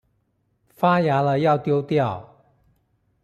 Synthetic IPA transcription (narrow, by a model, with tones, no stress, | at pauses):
fa˥ja˨˥lə˨˦jɑ˥˨ʊt̪jo˥ʊt̪jɑ˥˨ʊ